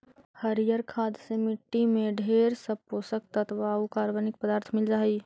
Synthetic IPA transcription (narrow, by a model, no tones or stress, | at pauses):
həɾijəɾkʰaːd̪semɪʈːimẽɖʱeːɾsəposək̚t̪ət̪ʰbaukaːɾʋənɪk̚pəd̪aːɾt̪ʰmɪld͡ʒaːi